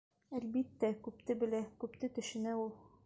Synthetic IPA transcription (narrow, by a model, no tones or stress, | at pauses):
ælbit̪ːækʉpt̪ɘbɘ̆lækʉpt̪ɘt̪ɵ̆ʃɘ̆næulˠ